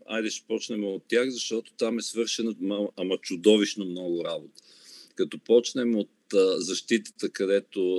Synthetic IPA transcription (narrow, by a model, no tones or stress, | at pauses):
a̰jd̪ɛʃɛ̥pɔt͡ʃnɛmɛot̪ʲːjaxzɐʃt̪ɔt̪o̥t̪amɛsvɤɾʃɛnəɐɐmɐt͡ʃʊd̪ɔviʃnəmnɔɡʊɾabot̪ə̥ | kɐt̪ɔpɔt͡ʃnɛmot̪zɐʃt̪it̪ə̥t̪əkɐd̪ɛt̪o